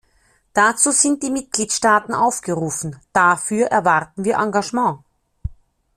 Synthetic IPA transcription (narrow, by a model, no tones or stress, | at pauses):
d̥at͡suːz̥ɪnt̚d̥iːmɪt̚ɡ̥liːtʃtaːtn̩ʔaʊfɡ̥əʁuːfn̩d̥afyːɐʔɛɐvaʁtn̩viːɐʔãŋɡaʒmɑ̃ː